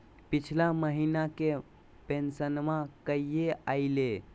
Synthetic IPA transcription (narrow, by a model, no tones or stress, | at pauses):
pit͡ʃʰlaməɦinake | pensənmãkəjeaɪle